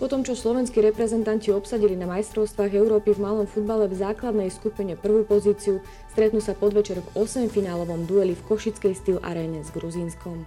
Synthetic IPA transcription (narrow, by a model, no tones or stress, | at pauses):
pɔt̪ɔmt͡ʃɔslɔʋɛnskiɾɛpɾɛzɛnt̪anciɔpsaɟilinamajst̪ɾɔʊst̪ʋaːɣɛʊɾɔːpivmalɔmfud̪balɛvzaːklad̪nɛjskupiɲɛpr̩ʋupɔziːt͡siu | st̪ɾɛt̪nusapɔd̪ʋɛt͡ʃɛɾɔɡɔsɛmfinaːlɔʋɔmd̪uɛlifkɔʃit͡skɛjst̪ilʔa̰ɾɛːnɛzɡɾuzinskɔm